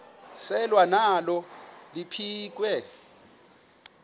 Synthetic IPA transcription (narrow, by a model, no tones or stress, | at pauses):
sɛlwanalɔlipʰiːk̬ʼwɛ